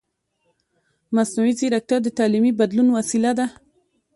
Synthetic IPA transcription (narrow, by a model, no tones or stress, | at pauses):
masnawiziɾak̚t̪ad̪ət̪ɑlimibad̪lunwasilad̪a